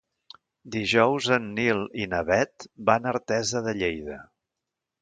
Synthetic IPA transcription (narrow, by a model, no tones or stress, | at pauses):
d̪iʒɔwzənːilˠinəβɛt̪banəɾt̪ɛzəðəʎejðə